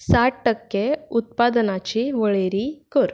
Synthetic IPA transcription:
saʈʈəkːeut̪̚pad̪ənat͡ɕiʋəɭeɾikəɾ

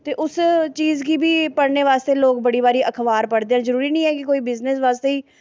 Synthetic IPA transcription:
t̪eːʔʊst͡ʃiːzkiːbʱiːpəɽneːʋaːst̪eːloːɡbəɽiːbaːɾiːʔəkʰʋaːɾpəɽd̪eːɛ̃ːzəɾuːɾiːnəĩːɦɛːkɪkoːiːbɪznɪsʋaːst̪eːiː

